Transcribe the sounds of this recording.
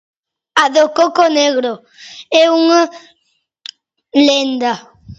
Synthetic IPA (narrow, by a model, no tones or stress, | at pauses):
aðokokoneɣɾo | euŋə | lɛnda